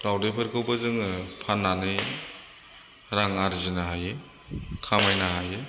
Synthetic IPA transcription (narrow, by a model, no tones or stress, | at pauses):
lawdejpʰɯɾkʰɯwbazɯŋpʰanːanɯj | ɾaŋaɾizɯnaɦaje | kʰamajnaɦaje